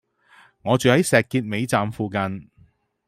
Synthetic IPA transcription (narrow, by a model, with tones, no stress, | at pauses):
ŋɔː˨˧t͡sːhɐ˨˥jsɛː˨kːiː˧t̚me˨˧jt͡saː˨mfuː˨kɐ˨n